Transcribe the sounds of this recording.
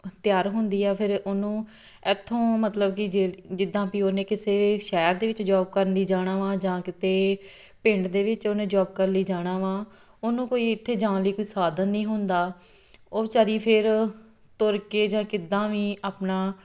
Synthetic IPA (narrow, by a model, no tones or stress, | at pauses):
t̪ɪjaːɾɦʊnd̪iːɛːpʰɪɾonũː | ɛt̪ʰːõːmət̪ləbkɪd͡ʒeːd͡ʒɪd̪ːãːpiːoːnẽːkɪseːʃɛːɾd̪eːʋɪt͡ʃd͡ʒaːb̚kəɾliːd͡ʒaːɽ̃aːʋãːd͡ʒãːkɪt̪eː | pɪ̃ɳɖd̪eːʋɪt͡ʃoːnẽːd͡ʒaːb̚kəɾliːd͡ʒaːɽ̃aːʋãː | oːnũːkoːiːɪt̪ʰːeːd͡ʒãːnliːkoːiːsaːd̪ənːĩːɦʊnd̪aː | oːt͡ʃəɾiːpʰɪɾ | t̪ʊɾkeːd͡ʒãːkɪd̪ãːʋiːaːpnaː